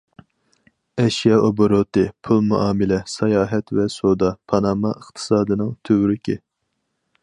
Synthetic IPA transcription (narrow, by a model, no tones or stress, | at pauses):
ɛʃjɑʔoboɾot̪ɨpʰulˠmuʔɑːmɨlɛsɑjɑːɦɛt̪vɛsod̪ɑpʰɑnɑːmɑəχt̪ʰɨ̥sɑːd̪ɨnɨŋt̪ʰøwɾɪkʲɪ